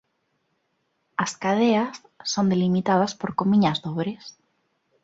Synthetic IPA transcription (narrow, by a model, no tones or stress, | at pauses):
askaðeasː | õnd̪elimit̪aðaspoɾkomiɲazðoβɾes